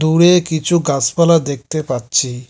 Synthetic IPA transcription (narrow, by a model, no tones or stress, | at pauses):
d̪uɽekit͡ɕʰuɡaspalad̪ek̚t̪epaːɕʰi